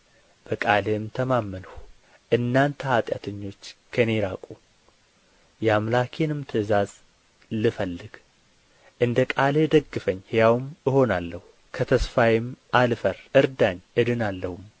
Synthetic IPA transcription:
b̥əkʼalemt̪ʰəmamːənəw | ʔɨnːant̪ʰəat̪ʼja̰t̪ʰəɲːo̞t͡ʃːkʰəne̞ɾakʼu | jɛamlakʰenɨmt̪ʰɨzaz | lɨfəlːɨɡ̥ | ʔɨnd̪əkʼaled̪əɡːɨfəɲːhjawmɨho̞nalːəhu | kʰət̪ʰəsfajɪmʔalfəɾʔɨɾd̪aɲːɨd̪ɨnalːəhum

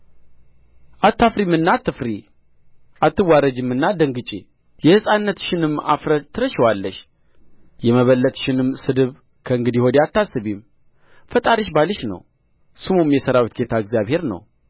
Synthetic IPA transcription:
ʔat̪ʰːafɾimɨnːat̪ʰːɨfɾi | ʔat̪ːɨwaɾəd͡ʒɨmːɨnːad̪əŋɡɨt͡ʃʼḛ | jɛhɨsʼanːət̪ʃɪnɨmːa̰fɾət̪ʰːɨɾəʃwalːəʃ | jɛməβəlːət̪ʃɪnɨmsɨd̪ɨβ | kʰəɨŋɡɨd̪ihod̪jat̪ːasːɨβim | fət̪ʼaɾiʃbalɨʃnə̰w | sɨmumjɛsəɾawit̪̚ɡet̪ʰaəɡzjaβhe̞ɾnə̰w

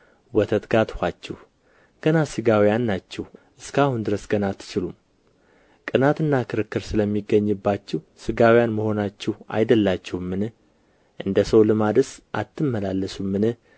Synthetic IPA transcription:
wɔt̪ʰət̪ɡat̪hʷat͡ʃːɛh | ɡ̥ənasɨɡawijanːat͡ʃːɛhʔɨskahund̪ɨɾəsɡənat̪ʰːɨ̥t͡ʃɪlum | kʼɨnat̪ɨnːakʰɨɾɨkːɨɾsɨləmːiɡːəɲːɨbːat͡ʃːɛh | sɨɡawijanməho̞nat͡ʃːɛha̰jd̪əlːat͡ʃːɛwmːɨnɨ | ʔɨnd̪əsəwlɨmad̪ɨsʔa̰t̪ʰːɨmːəlalːəsumːɨnɨh

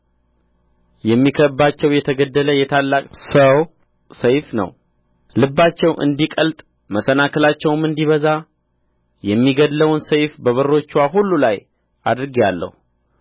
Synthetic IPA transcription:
jɛmːikʰəbːat͡ʃːɛwjɛt̪ʰəɡəd̪ːələjɛt̪ʰalːakʼsəw | səjfnə̰w | lɨbːat͡ʃːɛwʔɨ̰nd̪ikʼəlt̪ʼ | məsənakʰəlat͡ʃːɛwmɨnd̪iβəza | jɛmːiɡəd̪ləwnsəjfbəβərːo̞t͡ʃːwaɦulːulaj | a̰d̪ɾɨɡijalːə̰hu

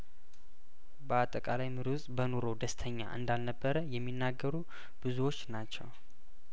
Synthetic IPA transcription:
bəat̪ʼːəkʼalajmɨɾsʼbəno̞ɾo̞d̪əst̪ʰəɲːa̰ʔɨ̰nd̪alnəbːəɾəjɛmːinːaɡːəɾu | b̥ɨzuwo̞t͡ʃːnat͡ʃːɛ̰w

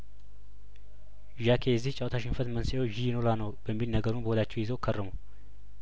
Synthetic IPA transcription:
ʒakʰejɛzːiht͡ʃʼawt̪ʰaʃɪnfət̪mənsjoʒijɪnolanəwbəmːilnəɡəɾunbəwɔd̪at͡ʃːɛwjɪzəwkʰərːəmu

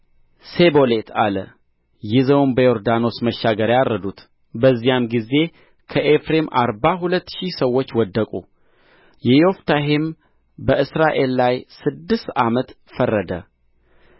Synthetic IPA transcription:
se̞bo̞le̞t̪ʰalə̰ | jɪzəwnbəjo̞ɾd̪ano̞sməʃːaɡəɾjaɾːəd̪ut̪ | bəzːijamɡize̞ | kʰəʔefɾe̞mʔa̰ɾbaɦulət̪ːʃisəwːot͡ʃːwɔd̪ːəkʼu | jɛjo̞ft̪ʰaɦem | bəʔɨsɾaʔe̞lːajsɨd̪ːɨst̪ʔamət̪ | fərːəd̪ə̰

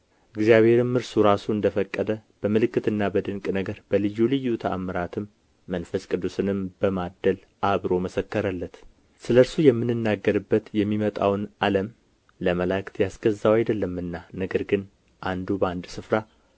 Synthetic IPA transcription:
ʔɨɡzijaβhe̞ɾɨmːɨɾsuɾasuɨnd̪əfəkʼːəd̪əb̥əmɨlɨkːɨt̪ɨnːabəd̪ɨŋkʼnəɡəɾb̥əlɨjːulɨjːut̪ʰəa̰məɾat̪ʰɨmː | ənfəskʼɨd̪ːusɨnɨmb̥əmad̪ːəl | ʔaβɾo̞məsəkːəɾəlːət̪ | sɨləɾsujɛmːɨnːɨnːaɡːəɾɨbːət̪jɛmːimət̪ʼawnʔaləm | ləməlakt̪jasɡ̥əzːawajd̪əlːəmːɨnːanəɡəɾɡɨn | ʔand̪ubəand̪sɨfɾa

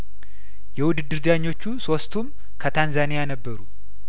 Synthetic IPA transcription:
jɛwʊd̪ɨd̪ɨɾd̪aɲːo̞t͡ʃːuso̞st̪ʰum | kʰət̪ʰanzanijanəbːəɾu

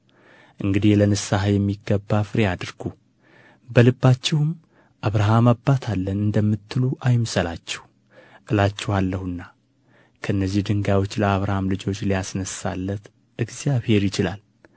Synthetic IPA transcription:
ʔɨŋɡɨd̪ilənɨsaɦajɛmːiɡːəbːafɨɾead̪ɨɾɡu | bəlɨbːat͡ʃːɛwm | ʔaβɾaɦamabːat̪ʰalːənɨnd̪əmːɨt̪ːɨluʔajmsəlat͡ʃːɛ̥h | ʔɨlat͡ʃːɛhalːəhɨnːa | kʰəɨnːəzːihd̪ɨŋɡawo̞t͡ʃːləaβɾahamlɨd͡ʒo̞t͡ʃːlijasnəsa̰lːət̪ | ʔɨɡzjaβhe̞ɾjɪt͡ʃɪlal

